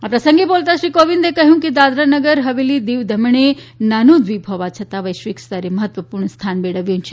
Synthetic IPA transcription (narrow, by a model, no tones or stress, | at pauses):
apɾəsə̃ŋɡebolt̪aʃɾikoʋind̪ekəɦjũked̪ad̪ɾanəɡəɾɦəʋelid̪iʋd̪ʱəmɳ̃enanũd̪ʋibʱɦɔʋat͡ʃʰət̪aʋəjʃʋikst̪aɾeməɦət̪ʋəpuɾɳst̪ʰanbeɽəʋjũt͡ʃʰe